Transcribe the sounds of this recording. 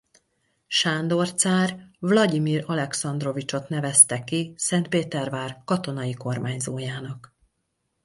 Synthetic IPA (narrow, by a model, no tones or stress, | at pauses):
ʃaːnd̪o̞rt̪saːrvlɒɟimiːrɒlɛksɒnd̪ro̞vit͡ʃo̞t̪nɛvɛst̪ɛkisɛnt̪̚peːt̪ɛrvaːrkɒt̪o̞nɒjiko̞rmaːɲzoːjaːnɒk